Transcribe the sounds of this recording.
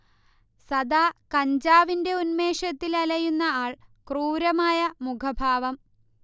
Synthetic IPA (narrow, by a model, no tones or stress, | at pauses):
sɐd̪aːkɐɲd͡ʑaːʋinde̞unme̞ːʂɐt̪ːilɐlɐjunːɐaːɭkruːɾɐmaːjɐmukʰɐbʱaːʋɐm